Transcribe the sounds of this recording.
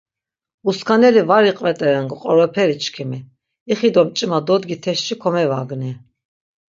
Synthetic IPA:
uskʰanɛlivaɾiqʼvɛt̪ʼɛɾɛnɡqʼɔɾɔpʰɛɾit͡ʃʰkʰimi | iχid̪ɔmt͡ʃʼimad̪ɔd̪ɡit̪ʰɛʃt͡ʃʰikʰɔmɛvaɡni

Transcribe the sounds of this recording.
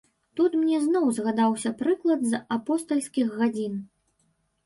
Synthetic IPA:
t̪ut̪mnʲɛznɔwzɣad̪awsʲɐpɾɨklˠɐd̪zapɔst̪ɐlʲsʲkʲiɣːad͡zʲin

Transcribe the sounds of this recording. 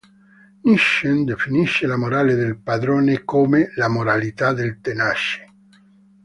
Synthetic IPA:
niʃend̪efiniʃːelamoɾaled̪elpad̪ɾoːnekomelamoɾalit̪ad̪elt̪enaʃe̥

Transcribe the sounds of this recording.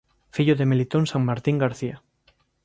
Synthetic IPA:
fiʎoðemelit̪onsaŋmaɾt̪iŋɡaɾθia

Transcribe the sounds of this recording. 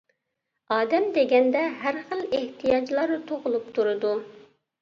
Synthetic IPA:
ɑːd̪ɛmd̪eɡʲɛnd̪ɛɦæɾχəlˠeht̪ʰijɑd͡ʒlˠɑɾɨt̪ʰoʁʊlˠup̚t̪ʰuɾɨd̪u

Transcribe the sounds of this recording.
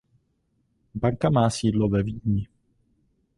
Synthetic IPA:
baŋkamaːsiːdlovɛviːd̪ɲɪ

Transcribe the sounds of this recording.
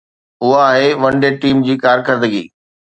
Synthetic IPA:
ʊɦaːɦeʋɐ̃ɳɖeʈiːmd͡ʑiːkaːɾkəɾd̪əɡḭː

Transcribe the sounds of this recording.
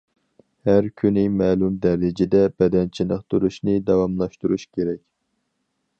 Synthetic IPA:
hæɾkʲʰynɪmɛːlˠumd̪ɛɾɪd͡ʒɪd̪ɛbɛd̪ɛnt͡ʃʰinəqt̪ʰuɾuʃnɨd̪ɑwɑmlˠɑʃt̪uɾuʃkʲʰeɾɛkʲ

